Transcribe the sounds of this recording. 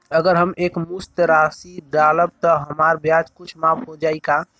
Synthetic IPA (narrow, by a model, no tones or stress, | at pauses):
əɡəɾɦəmeːkmust̪ɾasid̪aləb̚t̪əɦəmaːɾbjad͡ʒkʊt͡ʃʰmapɦod͡ʒaːika